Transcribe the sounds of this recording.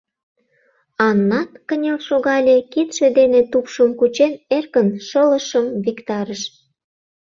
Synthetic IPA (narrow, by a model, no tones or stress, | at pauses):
ɑnːɑt̪kənʲolʃoɣɑlʲekit̪ʃed̪enet̪upʃəmkut͡ɕenerkənʃələʃəmvikt̪ɑɾəʃ